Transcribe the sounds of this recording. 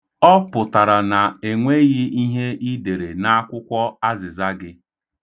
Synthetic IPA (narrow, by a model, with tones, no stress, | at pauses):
ɔ˦pʊ˨ta˨ɾa˨na˨e˨ŋʷe˦ɣɪ˦i˦ɦe˦ʔi˦de˨ɾe˨na˦a˦kʷʊ˦kʷɔ˦a˦zɪ˨za˦ɡɪ˦